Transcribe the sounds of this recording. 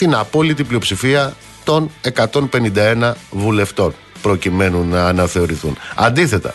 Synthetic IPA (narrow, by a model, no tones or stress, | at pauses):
t̪inɐpo̞lit̪iplio̞psifiɐ | t̪o̞ne̞kɐt̪o̞npe̞nind̪ɐe̞nɐvule̞ft̪o̞n | pɾo̞cime̞nunːɐːnɐθe̞o̞ɾiθunɐ̰nd̪iθe̞t̪ɐ̰